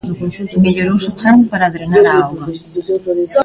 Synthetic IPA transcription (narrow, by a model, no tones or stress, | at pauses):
meʎoɾowsot͡ʃaŋppaɾaːðɾenaɾaawɣɐ